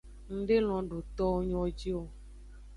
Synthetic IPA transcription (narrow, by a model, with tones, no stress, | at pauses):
ŋ̩̃˦ɖe˦l̃ɔ̃˨ɖo˨t̪ɔ˦wo˦ɲɔ̃˨d͡ʑi˦wo˦